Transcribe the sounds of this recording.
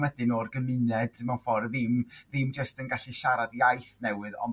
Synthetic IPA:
wɛdɨnoːrɡəmɨnɛdmafɔrðɪmðɪmd͡ʒəstənɡaɬiʃaɾadiajθnɛwɨðɔ̰

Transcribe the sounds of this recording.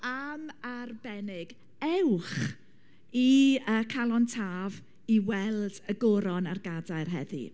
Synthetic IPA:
amarbɛnɪɡ̥ | ɛwχ | iəkʰalˠɔntʰaːv | iwɛlˠd̥əɡʊɾɔnarɡadaɨrɦɛ̰ðḭ

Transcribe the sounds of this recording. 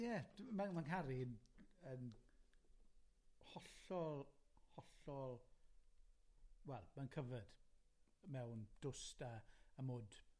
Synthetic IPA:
jɛmanmankʰaɾinən | hɔɬɔlˠhɔɬɔlˠ | wɛlˠmankʰəvəd̥ | mɛwnd̥ʊstʰaːmoːd

